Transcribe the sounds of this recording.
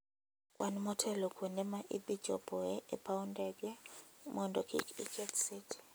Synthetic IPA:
kʼwʔanimɔtʰɛlɔkʰunɛmaʔḭɓid̥d͡ʒ̥ʱɔ̰b̥ʱɔɛɛpʰawundʱʼɛk̬ʼɛmɔndʱʼɔkʰḭkikʰɛtsitʰi̥

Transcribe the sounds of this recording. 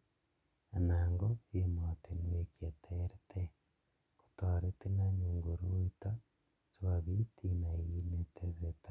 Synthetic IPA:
anaːŋɡoemotenwekjetʰeɾetʰe | ko̥toɾetenaɲuŋɡoɾuita | sowaβitinainetʰezeta

